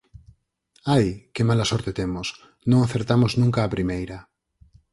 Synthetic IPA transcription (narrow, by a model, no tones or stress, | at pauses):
ajkɪmalasɔɾt̪et̪emʊs | nõŋaθeɾt̪amʊznũŋkaːpɾimejɾɐ